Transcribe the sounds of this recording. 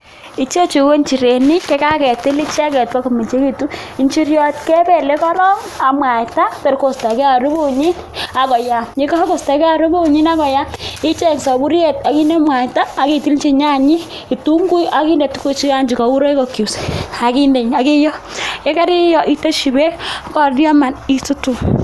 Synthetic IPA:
i˨t͡ʃe˦t͡ʃi˨ko˦nt͡ʃi˨ɾe˨ni˦ke˦ka˦kɛ˨ti˦li˦t͡ʃa˦kɛ˨t̚pa˦ko˨mi˨t͡ʃe˦ki˦˨tu˦i˦nt͡ʃi˦ɾjɔ˦tkɛ˦pe˦˨le˦kɔ˦lɔ˦ŋ | a˨mwa˨ta˦to˨ɾko˨sta˨ke˦a˨ɾu˦bo˦˨ɲi˦n | a˨kɔ˨ja˨ɲe˦ko˦ha˦ko˨sta˨kɛ˦a˨ɾu˦bo˦˨ɲi˦na˦kɔ˨ja˦i˦t͡ʃe˦˨ksɔ˨bu˦ɾe˨ta˨ki˦ne˦mwa˨jtaː˦˨ki˨ti˦lt͡ʃi˦˧ɲa˦ɲi˦ | i˨tu˦ŋɡu˦jʔa˦ki˦nde˨tu˦ko˦t͡ʃi˦ka˦ɲd͡ʒi˨ka˨u˦ɾo˦i˦ko˨ku˨sa˨ki˦nde˨ɲa˨ki˦jɔ˦e˦ka˦ɾi˦jɔ˨ʔi˦to˦ʃi˨be˦kɔ˨djɔ˦ma˨ni˦tu˦tu˨

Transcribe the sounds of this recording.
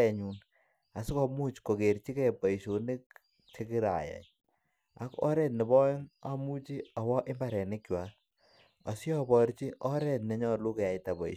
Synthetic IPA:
ɛ˨ɲu˨n | a˨su˦kɔ˨mu˦t͡ʃko˨ke˨ɾt͡ʃi˦kɛ˦pɔ˨i˨ʃo˨nɪ˦k̚ | t͡ʃe˦ki˦ɾa̰˨ja̰˨ɲ | a̰˦kɔ̰˦ɾɛ˦tnɛ˨bɔ˦jɪ˦ŋa˦mu˦t͡ʃi˦ɔ˨wɔ˦ʔɪ˦mba˨ɾɛ˨nɪ˦kt͡ʃwa˨˦ | ɔ˨si˦ɔ˦bɔ˨ɾt͡ʃi˦ʔɔ˦ɾɛ˨tnɛ˨˦ɲɔ˦lu˦ke˨ja˨jta˨bɔ˨ḭ˨

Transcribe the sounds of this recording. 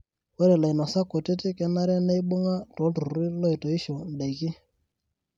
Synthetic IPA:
wɛ˦ɾɛ˨la˨i˨na˨sa˦ko˨te˦tɪ˦kɛ˦na˦ɾɛ˦ne˦i˦ɓo˦ŋa˦to˨˦tu˨ɾɾi˦lɔ˦i˨to˨i˦ʃo˨n̩˨ɗa˨i˨kɪ˦

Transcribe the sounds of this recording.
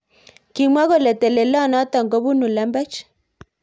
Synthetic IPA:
ki˨mwa˦ɣo˦˨lɛ˨tɛ˨le˨lɔ˦˨nɔ˨˦tɔ˨ŋɡo˦bu˦nu˨lɛ˨˦mbɛ˦t͡ʃ

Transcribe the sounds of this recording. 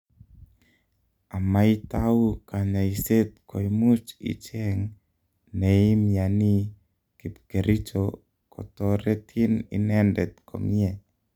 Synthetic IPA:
a˨ma˦i˦t̪au˦ka˨ɲa˨i˨se˦t̪̚kʰo˨imu˦t͡ʃḭ˨t͡ʃɛ˦ŋ | nɛ˨i˦mja˨ni˦ | ki˨pke˨ɾʔi˦t͡ʃo | kɔ̰˨t̪ɔɾɛ˦t̪ʰi˦nḭ˨nɛ˦ndɛ˨t̪̚ko̰˨mi˦ɛ˨

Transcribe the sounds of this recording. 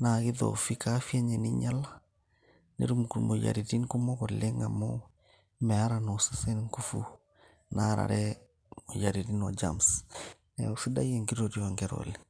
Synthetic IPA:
na˨ɣi˦ðɔ̰fi˦ka˦fi˦a˦ɲɛ˨ni˦ɲa˦la | nḛ˦ɾu˦mu˨ku˨ɾmo˨ja̰ɾiɾi˦nko˦mɔ˦kɔɾle˦ŋa˨mɔ | mɛ˨a˦ɾa˨no˨sasɛ˦nŋku˦fu˦ | naɾa̰˨ɾɛ | mo˨ja˨ɾi˨ɾi˦nwa˨d͡ʒa̰ms | ɛofi˦da˦je˨ŋɡi˦ɾɔɾjaŋɡɛɾɔ̰lɛ

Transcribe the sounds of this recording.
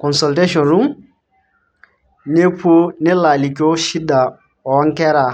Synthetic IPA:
kɔ̃˨nsɔ˨lte˦ʃɔ̃˨nɾũ˦ | ne˦pʰu˦nɪ˦la˨li˨ko˦ʃi˦da˨ | ɔ˨˦ŋ̩˦kɛ˦ɾa˨

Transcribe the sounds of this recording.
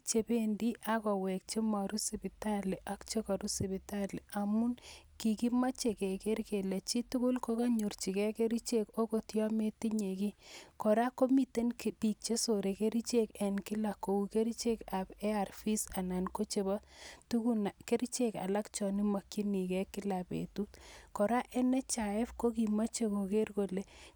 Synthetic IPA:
t͡ʃe˨be˦ndi˦ʔa˦kɔ˨we˨k̚t͡ʃe˦ma˨ɾu˦si˨pita˦li˨ʔa˦kt͡ʃe˦ka˨ɾu˦si˨bi˨tali˨a˨mu˦nki˨ki˦ma˦t͡ʃe˨ke˨ke˦rke˨le˨t͡ʃi˦tu˦ku˦lko˦ka˦ɲu˨ɾt͡ʃi˨kɛ˦ke˦ɾi˦t͡ʃe˦ko˦ko˨tjɔ˦me˦ti˦ɲe˨ki˦kɔ˨ɾa˦ko˦mi˨te˦nkpi˨k̚t͡ʃe˦so˨ɾe˨ke˦ɾi˦t͡ʃe˦ke˨nkɪ˦la˨ko˨u˨ke˦ɾi˦t͡ʃe˦ka˨bɛ˦a˨rfi˦sa˨na˨nko˦t͡ʃe˨ba˦tu˦ku˦nake˦ɾi˦t͡ʃeka̰˨la˦kt͡ʃɔ˨ni˦ma˨ki˦ni˨kɛ˦kːɪ˦labḛ˨tu˦tkɔ˨ɾa˦ʔe˦nɛ˦t͡ʃa˨ɛ˦fko˦ki˨ma˦t͡ʃe˨ko˨ke˦rko˨le˨

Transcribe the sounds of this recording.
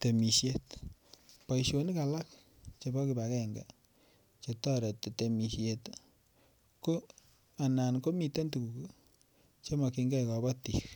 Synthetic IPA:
t̪e˨mi˨ʃje˦t | pa˨jʃo˨ni˦ka˨la˦k | t͡ʃa˨ba˦ki˨ba˨kɛ˦ŋɡa̰˨ | t͡ʃa˨ta˦ɾe˨t̪e˨te˨mi˨ʃje˨t̪ | ko˦ | a˨na˨nko˦mi˨˧te˦ntu˨ku˨ku˦ | t͡ʃa˦ma˨ki˧ŋɡɛ˦˨ka˨ba˦tḭ˨k

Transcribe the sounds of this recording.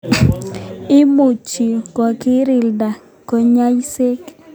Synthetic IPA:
ɪ˦mu˨t͡ʃi˨kɔ˨kɪ˦ɾɪ˨lda˨ | ko˨ɲa˦jse˦k

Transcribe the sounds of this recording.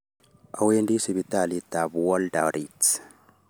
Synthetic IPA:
a̰˨we˦ndi˦si˨bit̪a˨li˨t̪a˨buɔ˦lda˨ɾi

